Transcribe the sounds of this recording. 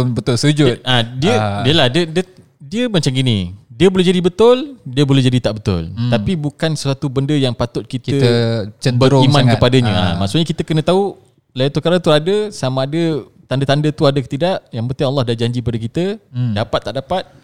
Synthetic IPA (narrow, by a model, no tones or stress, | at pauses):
bət̪ʊlsəd͡ʒʊt̚adiədiəladədə | diəmat͡ʃaminĩdiəbolɛɦd͡ʒadibət̪ʊldiəbolɛhd͡ʒadit̪aʔbət̪ʊ̰lt̪apibukansəswat̪ubəndəjaŋpat̪ʊt̪̚kitkəət͡ʃəndbəɾʊimãnkəpadaɲəa̰maʔsʊʔɲakit̪əkənə̃t̪au | lajat̪ukaɾat̪uadəsamaːdə | t̪andət̪andət̪uadəkə̥t̪idaʔjaŋbənt̪ɪŋalːɑhdahd͡ʒaɲd͡ʒikəpadakit̪ədapat̪ːaʔdapat̪̚